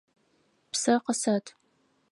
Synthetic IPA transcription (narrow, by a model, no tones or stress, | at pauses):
psɐqəsɐtʰ